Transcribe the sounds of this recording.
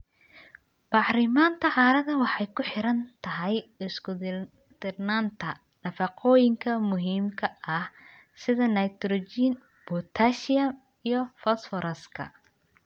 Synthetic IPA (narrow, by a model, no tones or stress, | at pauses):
b̥ɑħɾɪmaːnt̪ʰɐʕɑːɾɐðɐwɑħɑjkʰʊħɪɾɐnt̪ʰɐɦɛjɪskʊ | d̪̥ɪrnaːnt̪ʰɐ | nɐfɑqʰɔːjɪŋkʰɐmʊɦiːmkʰɐʔɐh | sɪðɐnɐjt̪ɾɔt͡ʃin | b̥ɔt̪ʰaːʃɪjɐm | ijɔfɔsfɔɾɐskʰɐ̰